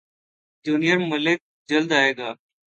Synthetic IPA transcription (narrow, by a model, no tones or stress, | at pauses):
d͡ʒuːnijəɾməlek̚ | d͡ʒəld̪aːɦeːɡaː